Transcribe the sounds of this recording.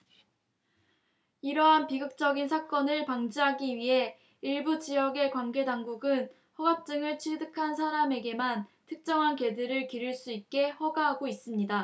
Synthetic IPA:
iɾʌɦanpiɡɯk̚t͡ɕ͈ʌɡinsʰak͈ʌnɯɭpaŋd͡ʑiɦaɡiɥiɦe̞ | iɭbud͡ʑiɦʌɡe̞kwanɡe̞daŋɡuɡɯn | ɸʌɡap̚t͡ɕ͈ɯŋɯɭt͡ɕʰiɭdɯkʰansʰaɾame̞ɡe̞mantʰɯk̚t͡ɕ͈ʌŋɦanke̞dɯɾɯɭkiɾɯɭs͈uit̚k͈e̞hʌɡaɦaɡois͈ɯmɲida

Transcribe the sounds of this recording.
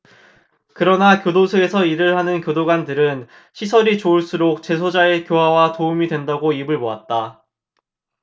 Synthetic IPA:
kɯɾʌnakjodosʰoe̞sʰʌiɾɯɭhanɯnkjodoɡandɯɾɯn | ɕʰisʰʌɾit͡ɕouɭs͈uɾok̚t͡ɕe̞sʰod͡ʑae̞kjoɦawatoumidwe̞ndaɡoibɯɭmoat̚t͈a

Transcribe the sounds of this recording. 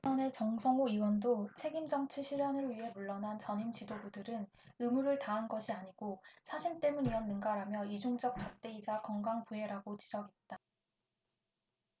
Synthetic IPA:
ʌne̞t͡ɕʌŋsʰʌŋoiwʌndot͡ɕʰe̞ɡimd͡ʑʌŋt͡ɕʰiɕʰiɾjʌnɯɭɥiɦe̞muɭːʌnɦant͡ɕʌɲimt͡ɕidobudɯɾɯn | ɯmuɾɯɭtaɦanɡʌɕʰiaɲiɡ̥osʰaɕʰint͈e̞muniʌnːɯnɡaɾamjʌid͡ʑoŋd͡ʑʌk̚t͡ɕ͈ʌk̚t͈e̞id͡ʑakʌŋɡaŋpue̞ɾaɡot͡ɕid͡ʑʌɡɦe̞t̚t͈a

